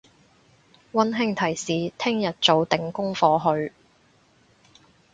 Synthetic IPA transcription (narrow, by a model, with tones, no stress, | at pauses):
wɐ˥nɦɪ˥ŋt̪ʰɐ˨˩jsiː˨t̪ʰɪ˥ŋjɐ˨t̚t͡so˨˧wt̪ɪ˨˩ŋkʊ˥ŋfɔː˧ɦɵ˧ɥ